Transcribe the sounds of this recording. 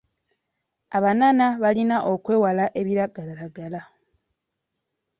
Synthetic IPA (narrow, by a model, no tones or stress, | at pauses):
aβanaːnaβalinaʔo̞kwe̞ːwalaʔe̞βiɾaɡalaɾaɡala